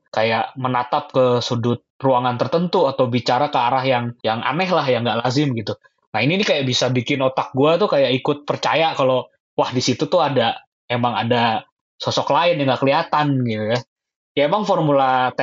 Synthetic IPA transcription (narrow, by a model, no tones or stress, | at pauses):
kajaʔmənat̪ap̚kəsudʊt̪̚ruaŋant̪ərt̪ənt̪uat̪awbit͡ʃaɾakəaɾahjaŋjaŋa̰nɛɦlahjaŋɡaʔlazɪmɡit̪u | naininikajaʔbisabikɪnot̪ak̚ɡuat̪ukajaʔikʊt̪̚pərt͡ʃajakalo | wahdisit̪ut̪ʊɦada | emaŋada | sosɔklaɪnjaŋɡaʔkəliat̪anɡit̪uja | kajamaŋfɔrmulat̪